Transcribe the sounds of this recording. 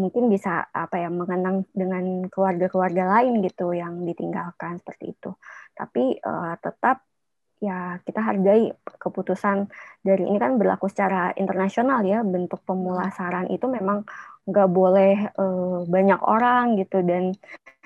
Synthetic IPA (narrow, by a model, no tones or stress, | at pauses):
muŋkɪnbisa̰a̰pajaməŋənaŋdəŋankəluarɡakluarɡalaɪnɡit̪ujaŋdit̪iŋɡalkansə̥pərt̪ḭːt̪ut̪a̰piə̰t̪ət̪ap̚ | jakit̪aɦarɡaikəput̪usandaɾiḭnikanbərla̰kusə̥t͡ʃaɾaḭnt̪ərnasionaljabənt̪ʊk̚pəmulasaɾanʔḭt̪umemaŋŋɡaʔbolɛhəbaɲako̰ɾaŋɡit̪udan